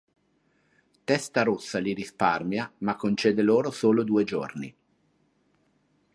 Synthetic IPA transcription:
t̪ɛst̪aɾosːaliɾisparmjamakːont͡ʃeːd̪eloːɾosoːlod̪uːed͡ʒorni

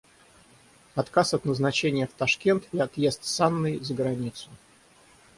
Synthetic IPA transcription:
ɐt̪kasɐt̪nəznɐt͡ɕenʲɪjəft̪ɐʂkʲe̞nt̪ɪɐt̪jest̪sanːɨjzəɡɾɐnʲit̪sʊ

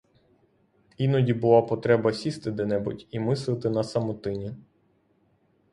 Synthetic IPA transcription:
inɔdʲibʊlˠapɔt̪ɾɛbɐsʲist̪ɪd̪ɛnɛbʊ̰tʲimɪslˠɪt̪ɪnɐsɐmɔt̪ɪnʲi

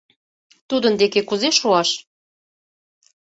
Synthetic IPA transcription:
t̪ud̪ənd̪ekekuzeʃuɑʃ

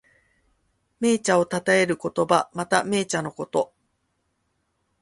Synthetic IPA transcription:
me̞ːt͡ɕao̞t̪at̪ae̞ɾɯ̟ko̞t̪o̞bamat̪ame̞ːt͡ɕano̞ko̞t̪o̞

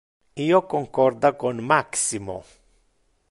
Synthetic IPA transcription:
iokoŋkoɾd̪akonmaksimo̰

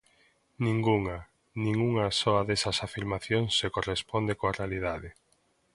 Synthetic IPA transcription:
nĩŋɡuŋa | nĩŋuŋasɔaðesɐsafiɾmaθjoŋsːekorespond̪ekoarealið̞aðe

